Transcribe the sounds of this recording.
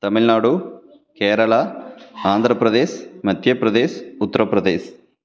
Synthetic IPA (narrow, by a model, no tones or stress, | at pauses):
t̪ɐmilnaːɽu | kɛːɾɐɭɐaːnd̪ʱɾɐpɾɐd̪eːʃmɐt̪jɐpɾɐd̪eːsut̪ːɐɾɐpɾɐd̪eːʃ